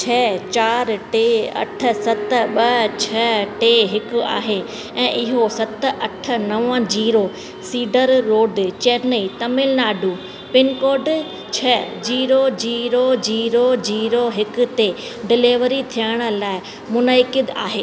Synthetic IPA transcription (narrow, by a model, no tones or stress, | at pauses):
t͡ɕʰɛːt͡ɕaːɾʈeːɐ̰ʈʰə̆sɐt̪ɓɐt͡ɕʰɐʈeɦɪkʊ̆a̰ːɦe | ɛ̃ːʔɪɦosɐt̪ʔɐʈʰə̆nɐʋə̃d͡ʑiːɾo | siːɖəɾːoːɖt͡ɕeːɾnəit̪ɐmɪlnaːɖʱuː | pɪnkoːɖ | t͡ɕʰɐd͡ʑiːɾod͡ʑiːɾod͡ʑiːɾod͡ʑiːɾoɦɪkʊ̆t̪e | ɖɪleːʋəɾit̪ʰijəɪɽ̃ə̆laːɪ | mʊnəɪkɪd̪a̰ːɦeː